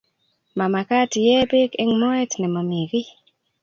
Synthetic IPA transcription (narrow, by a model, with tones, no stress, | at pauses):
ma˨ma˨ka˦tjɛ˦bɪ˦kɛ˦ŋmɔ˦ɛ˦tnɛ˨ma˨mi˨ɡi˦